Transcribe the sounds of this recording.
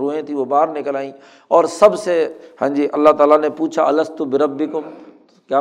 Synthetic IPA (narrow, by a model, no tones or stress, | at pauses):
ɾoːɦẽt̪ʰĩʋobaːɾnɪkəlaːĩ | ɔːɾsɐbsehãːɲd͡ʒiʔɐlːaɦt̪aːlanepuːt͡ʃʰaɐləst̪ubɪɾɐbːɪkʊm | kjaː